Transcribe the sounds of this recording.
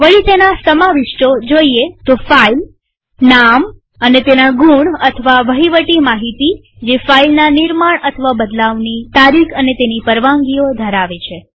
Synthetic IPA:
ʋəɭit̪enasəmaʋiʃʈod͡ʒoiet̪ofail | nam | ənet̪enaɡũɳət̪ʰəʋaʋəɦiʋəʈimaɦit̪i | d͡ʒefailnaniɾmaɳət̪ʰəʋabəd̪laʋnit̪aɾikʰənet̪enipəɾʋãŋɡiod̪ʱəɾaʋet͡ʃʰe

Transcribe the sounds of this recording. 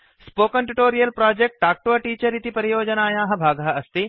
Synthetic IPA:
spoːkɐnʈuʈoːɾijɐlpɾaːd͡ʒek̚ʈːaːk̚ʈʋɐʈiːt͡ʃɐɾit̪ipɐɾijoːd͡ʒɐnaːjãːɦɐ̆bʱaːɡɐɦɐɐst̪i

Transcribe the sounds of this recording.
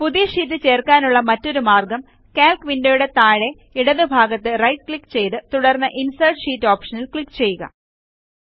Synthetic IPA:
puðijɐʂiːt̬ːɨt͡ɕe̞ːrkaːnuɭːɐmɐtːo̞ɾumaːrɡɐm | kaːlkʋindejuɽe̞t̪aːɻe̞ | iɽɐðɨbʱaːɡɐt̪ːɨrɐjʈ̚kɭikːt͡ɕe̞jt̪ɨt̪uɽɐrnːɐʔinsɐrʈʂiːtːo̞ːpʂɐnilkɭikːt͡ɕe̞jːuɣɐ̰

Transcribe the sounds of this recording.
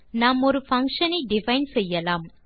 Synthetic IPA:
naːmɔɾɯfɐŋkʂɐnɐɪɖɪfɐɪnsɛjːɐlaːm

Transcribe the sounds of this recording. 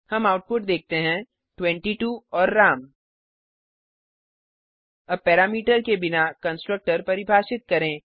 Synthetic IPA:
hɐmaːʊʈ̚pʊʈd̪eːk̚t̪eɦɛ̃ | ʈwɛ̃ɳʈiʈuːɔːɾːaːm | ɐbpːɛːɾaːmiːʈəɾkebɪnakɐ̃nsʈɾək̚ʈəɾpɐɾɪbʱaːʃɪt̪̚kɐɾẽː

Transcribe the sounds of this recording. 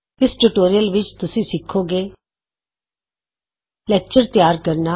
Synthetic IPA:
ɪsʈuːʈoːɾijəlʋɪt͡ʃt̪ʊsĩːsɪkʰːoːɡeː | lɛːk̚t͡ʃəɾt̪jaːɾkəɾna

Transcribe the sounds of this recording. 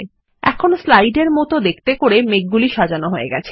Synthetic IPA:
ɛ̰kʰonoslajɖeɾmɔt̪od̪ek̚ʰt̪ekoɾemek̚ɡuliʃad͡ʑanoɦoḛɡɛt͡ɕʰe̥

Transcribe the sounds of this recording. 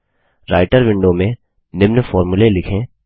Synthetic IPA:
ɾaːɪʈəɾʋɪ̃ɳɖomẽ | nɪmnfɔːɾmʊlelɪkʰẽ

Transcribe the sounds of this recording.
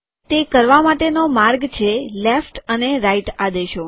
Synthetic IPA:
t̪ekəɾʋamaʈenomaɾɡt͡ʃʰelefʈəneɾaiʈad̪eʃo

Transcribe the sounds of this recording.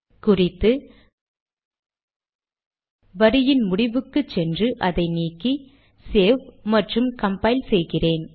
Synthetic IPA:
kʊrɪt̪ːɯ | ʋɐɾɪjɪnmʊɽɪʋɯkːɯt͡ʃːɛndrɯʔɐðɐɪniːkːi | seːʋmɐʈrɯmkɐmpɐɪlsɛjɣɪreːn

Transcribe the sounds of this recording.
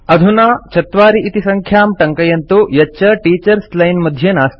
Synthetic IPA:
ɐd̪ʱunaːt͡ʃʰɐt̪ʋaːɾiʔit̪isɐŋkʰjaːmʈɐŋkɐjɐnt̪ujɐt͡ʃːɐʈiːt͡ʃɐɾslɐjnmɐd̪ʱjɐnaːs

